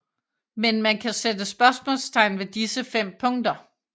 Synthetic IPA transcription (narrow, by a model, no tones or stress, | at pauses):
menmænkʰæsedəsb̥ɶɐsmɔ̰̽ːlst͡sʰɑ̈ɪ̰nʋe̝d̥isəfem̰pʰɔ̽ŋd̥ɐ